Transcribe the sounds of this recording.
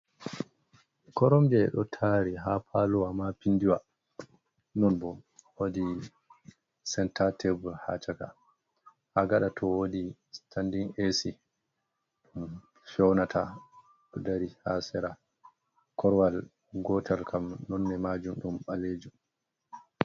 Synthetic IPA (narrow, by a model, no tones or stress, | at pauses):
kɔɾɔmd͡ʒɛɛ̰ɗɔtʰaɾiɦapʰaluwamapindiwa | nɔnbɔwodi | sɛntatʰebulha̰t͡ʃaka̰ | haɡaɗatʰɔwodistʰandiŋesi | ɗum | fɔwnatʰa | ɗɔdaɾihasɛɾa | kʰɔɾwal | ɡɔtʰalkʰamnɔnːɛmad͡ʒumɗumɓaled͡ʒum